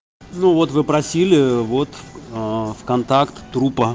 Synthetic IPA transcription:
nuvo̞t̪vɨpɾɐsʲilʲɪvo̞t̪ | fkɐnt̪akt̪ːɾupə

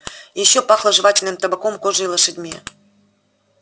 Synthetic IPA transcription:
jeɕːopɑxlˠɤ̆ʐɨβɑtʲɪlʲnɨmt̪əbəkomkoʒʐɨlˠəʂɨdʲmʲe

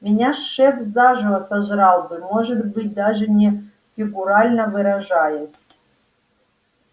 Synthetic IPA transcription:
mʲɪnʲaʂːɛfzaʐɨvəsaʒɾɑlˠbɨmoʐɨt̪bɨt̚ʲd̪aʐɨnʲɛ | fʲɪɡʊɾalʲnəvɨɾɐʐajɪsʲ

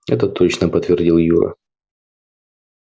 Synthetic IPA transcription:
ɛ̰t̪ət̪o̞t͡ɕnəpət̪vʲɪrdʲilˠjuɾə̰

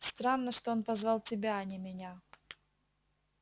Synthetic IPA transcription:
st̪ɾanːəʂt̪oonpɐzvalˠtʲɪbʲaɐnʲɪmʲɪnʲa

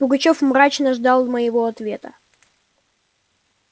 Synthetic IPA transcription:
bʊɡɐt͡ɕofmɾat͡ɕnəʐd̪ɑlˠməjɪvo̞ɐt̪vʲe̞t̪ə

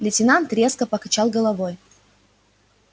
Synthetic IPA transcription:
lʲɪtʲɪnant̪ɾʲe̞skəpəkɐt͡ɕalˠɡəlˠɐvoj

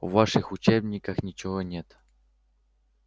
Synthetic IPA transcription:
vːaʂɨxʊt͡ɕebnʲɪkɐxnʲɪt͡ɕɪɦonʲet̪

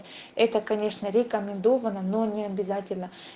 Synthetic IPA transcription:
ɛt̪əkɐnʲe̞ʂnəɾʲɪkəmʲɪnd̪ovənəno̞nʲɪɐbʲɪzatʲɪlʲnə

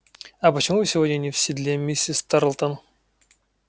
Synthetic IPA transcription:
ɐpət͡ɕɪmuɨsʲɪvodʲnʲənʲɪfsʲɪd̪lʲemʲisʲːɪst̪aɾlˠt̪ən

